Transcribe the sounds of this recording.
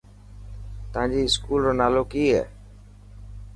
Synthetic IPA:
t̪əʋãːɲd͡ʑiːɪskuːlɾoːnaːloːkiːɦɛ̰ː

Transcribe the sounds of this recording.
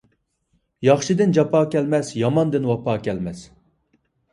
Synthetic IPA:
jɑχʃid̪ɪnd͡ʒɑpʰɑːkʲɛlmɛsjɑmɑnd̪ɨnwɑpʰɑːkʲɛlmɛs

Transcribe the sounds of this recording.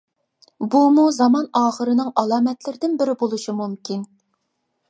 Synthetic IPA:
bumuzɑmɑnɑːχəɾɨnɨŋʔɑlˠɑːmɛt̪lɪɾɪd̪ɪnbɪɾɪbolˠuʃimumkʲʰin

